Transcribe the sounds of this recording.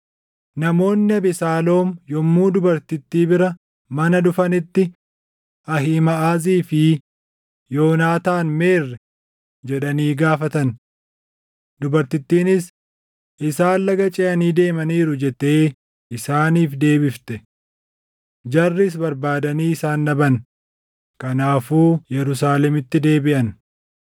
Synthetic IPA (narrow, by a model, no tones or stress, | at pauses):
nɐmo̞ːnːɪɐbɪsaːlo̞ːmjɔmːuːd̪ʊbɐɾt̪ɪt̪ːiːbɪɾɐ | mɐnɐd̪ʊfɐnɪt̪ːɪ | ɐɦimɐʔaːziːfɪ | jo̞ːnaːt̪aːnme̞ːrːɛ | d͡ʒɛᶑɐniːɡaːfɐt̪ɐn | d̪ʊbɐɾt̪ɪt̪ːiːnɪs | ʔɪsaːllɐɡɐt͡ʃʼɛʔɐniːd̪e̞ːmɐniːɾʊd͡ʒɛt̪ːe̞ː | ʔɪsaːniːfd̪e̞ːbɪft̪ɛ | d͡ʒɐrːɪs̬bɐɾbaːd̪ɐniːɪsaːnːɐbɐn | kɐnaːfuːjɛɾʊs̬aːlɛmɪt̪ːɪd̪e̞ːbɪʔɐn